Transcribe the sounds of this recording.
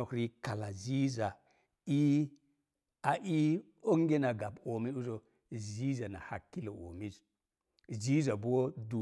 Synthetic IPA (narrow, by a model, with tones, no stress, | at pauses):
o˨kɾi˦ka˨la˨zi˦za˨ | i˦ | a˨ʔi˦ | o˦ŋɡe˦na˨ɡa˨bo˨mi˦nu˦zo˨ | zi˦za˨na̰˨ha˨kːi˦la˨o̰˨mi˦z | zi˦za˨bu˦wo˦du˨